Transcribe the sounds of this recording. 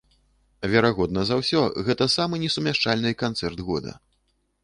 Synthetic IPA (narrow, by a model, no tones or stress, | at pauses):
vʲɛɾaɣɔd̪̚nɐzawsʲɔɣɛt̪ɐsamɨnʲɛsumʲaʂt͡ʂalʲnɨkant̪sɛrd̪ɣɔd̪ɐ̰